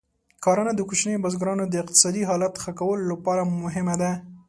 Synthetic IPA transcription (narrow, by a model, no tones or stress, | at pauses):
kɑɾanad̪əkut͡ʃnejbazɡɾɑnod̪əɪq̚t̪ɪ̥sɑd̪iɦɑlat̪xakawəlolapɑɾamʊɦɪmad̪a